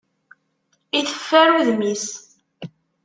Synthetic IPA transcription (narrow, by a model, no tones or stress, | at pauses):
iθə̥fːæɾuðmis